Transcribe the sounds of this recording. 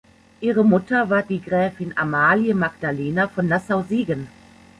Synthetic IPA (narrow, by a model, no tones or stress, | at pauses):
ʔiːʁəmʊtɐvaːɐdiːɡʁɛːfɪnamaːljəmaɡd̥aleːnafɔnːasaʊziːɡən